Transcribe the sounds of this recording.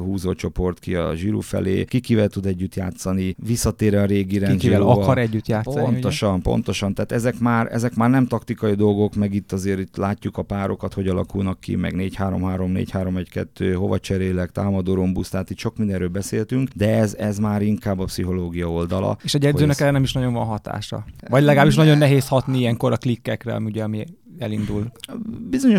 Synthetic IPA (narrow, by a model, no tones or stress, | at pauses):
ɦuːzoːt͡ʃo̞po̞rt̪kiɒ̰ʒiɾṵːfɛ̰lḛːkikivɛlt̪ud̪ɛɟːyt̪jaːt̪sɒnivisːɒt̪eːɾɛɒɾeːɡiɾɛnʒieːɛlɒɒɾɛɟːyt̪jaːt̪psont̪oʃɒnpo̞̰nt̪o̞ʃɒnt̪aːt̪ɛzɛkmaːɾɛ̰zɛkmaːrnɛmt̪ɒkt̪ikɒjid̪o̞lɡo̞kmɛɡit̪ːɒzeːɾit̪laːcːukɒpaːɾo̞kɒt̪ho̞ɟɒlɒ̰kulnɒkːḭmɛ̰ɡneːchaːɾo̞̰mɦaːɾo̞mnḛːchaːɾo̞mɛckɛ̰t̪ːøːɦo̞̰vɒ̰t͡ʃɛɾeːlɛkt̪aːmɒd̪oːɾombust̪aːt̪iːt̪ʃok̚mind̪ɛnɾøːlbɛseːlt̪yŋkd̪ɛɛzɛzmaːɾiŋkaːbːɒpsiɦo̞loːɡijɒo̞ld̪ɒlɒ̰eːʃɒɟɛd̪zøːnɛkɛɾɛnɛmiʃnɒɟo̞ɱvɒnɦɒt̪a̰ːʃɒ̰vɒɟlɛɡaːbiʃnɒɟo̞nːɛɦeːshɒt̪niijɛŋko̞ɾɒklikːɛkrɛ̰ɒ̰miuɟɛɒmi | ɛlind̪ulbizo̞ɲo